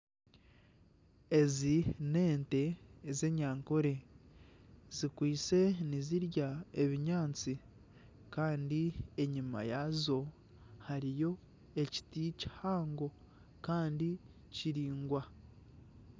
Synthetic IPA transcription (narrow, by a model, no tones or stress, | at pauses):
e̞zine̞ːnte̞ːze̞ɲaːŋkoɾe̞ | z̥ikwiːt͡se̞niziɾjae̞βiɲaːnt͡si | kaːndie̞ɲima̰jazo̞ | haɾijo̞ | e̞ci̥tici̥haːŋɡo̞ | kaːndi | ciɾiːŋɡwa